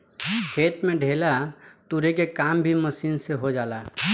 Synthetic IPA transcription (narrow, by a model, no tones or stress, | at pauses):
kʰet̪mẽɖʱelat̪uɾekekambʱiməsinseɦod͡ʒaːla